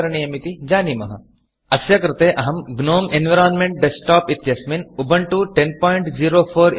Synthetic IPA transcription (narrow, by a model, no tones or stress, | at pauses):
ɐɾɐɳ̃ijɐmit̪id͡ʒaːnimɐɦɐ | ɐsjɐkɾɪt̪eːʔɐɦɐmɡnoːmenʋɐɾaːnmeɳʈ̚ɖesʈaːpit̪jɐsminubɐɳʈuʈenpɔːjɳʈd͡ʒiːɾoːpʰoːɾ